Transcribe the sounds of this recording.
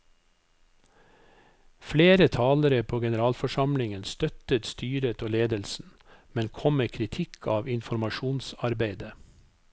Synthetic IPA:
fleːɾət̪ʰɑːləɾəpʰoːɡɛnəɾɑːlfɔʃɑmlɪŋənst̪œt̪ət̪st̪yːɾət̪ʰoːleːd̪əlsn̩ | mɛnkʰɔməkʰɾɪt̪ʰɪkʰɑːʋɪnfɔɾmɑʃuːnsɑɾbeɪd̪ə

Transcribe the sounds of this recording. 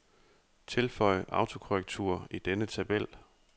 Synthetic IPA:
t͡sʰe̝lfɒ̽ɪ̰əʔɑ̈ʊt͡sʰo̝kʰoʁeɡ̥̚t͡sʰṵɐid̥enət͡sʰæb̥el̰

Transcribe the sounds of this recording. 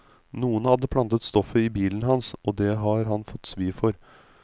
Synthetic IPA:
nuːənhɑd̪ːəpʰlɑnt̪ət̪st̪ɔfəɪbiːlənɦɑnsʔɔːd̪ɛɦɑɾɦɑnfɔt̪ːsʋiːfɔɾ

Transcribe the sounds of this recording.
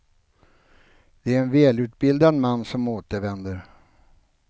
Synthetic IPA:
d̪̥ɛæɾɛnvɛːlʉ̟ːt̪̚bɪld̪anmanːsɔmoːt̪əɾvɛnd̪əɾ

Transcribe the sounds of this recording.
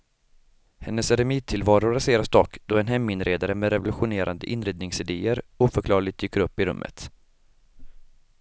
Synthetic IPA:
hɛnːəsɾɛmiːt̪̚t̪ʰːɪlvɑːɾʊɾaseːɾasd̪ɔkːd̪̥ɔɛnɦɛmːɪnɾeːd̪aɾəmɛɾɛvʊlɵɧʊneːɾʔa̰nd̪əʔɪnɾeːd̪nɪŋsɪd̪eːəɾuːfœɾkʰlɑːɭɪt̪d̪yːkːəɾɵpːɪɾɵ̰mːə̰t̪

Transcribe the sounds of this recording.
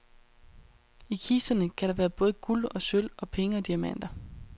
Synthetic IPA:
ikʰiːsɐnəkʰæɾ̥ɑ̈ʋæːɐb̥ɔ̽ːð̞̩ˠɡ̥ulɒ̽søl̰ɒ̽pʰeŋəɒ̽d̥iæmæn̰d̥ɐ

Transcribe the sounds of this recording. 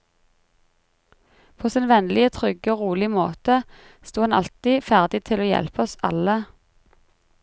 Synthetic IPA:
pʰoːsɪnʋɛnlɪət̪ʰʁʏɡəoːʁuːlɪmo̰ːt̪ə | st̪uːhɑnɑ̰lt̪iːfæʁd̪ɪt̪ʰɪloːjɛ̰lpɔsɑ̰lə

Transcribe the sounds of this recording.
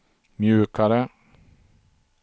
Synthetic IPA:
mjʉ̟ːkaɾə

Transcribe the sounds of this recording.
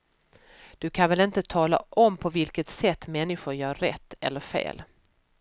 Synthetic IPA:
d̪̥ɵkʰanvɛlɪnt̪ət̪ʰɑːla̰ʔɔmpʰɔvɪlkət̪sɛt̪ːmɛnːɪɧʊɾjœːɾːɛ̰t̪ːɛ̰lːəɾfḛːl

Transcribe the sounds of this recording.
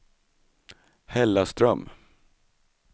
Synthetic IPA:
hɛlːast̪ɾœm

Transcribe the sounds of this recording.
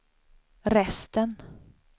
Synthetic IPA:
ɾɛst̪ən

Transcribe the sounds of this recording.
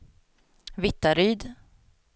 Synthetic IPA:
vɪt̪ːaɾyːd̪

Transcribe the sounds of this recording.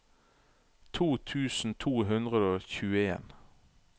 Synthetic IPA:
t̪ʰuːt̪ʰʉːsn̩t̪ʰuːɦʉnd̪ʁəd̪oːçʉːəeːn

